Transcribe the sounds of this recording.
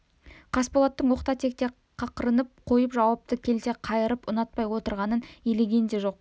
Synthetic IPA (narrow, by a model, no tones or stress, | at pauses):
qʰɑspolˠɑt̪ːəɴwo̞qt̪ɑt̪ʰe̞k̚t̪e̞ | qʰɑqəɾənəp̚qʰo̞jəpʒɑwɑp̚t̪əkʲʰe̞lt̪e̞qʰɑjəɾəpʊnɑt̪̚pɑjwo̞t̪əɾʁɑnəneleɡʲe̞nd̪eʒo̞q̚